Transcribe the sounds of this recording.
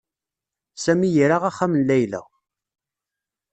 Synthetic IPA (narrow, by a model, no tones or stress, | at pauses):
sæmijiɾaʁæχːæmənlæjlæ̰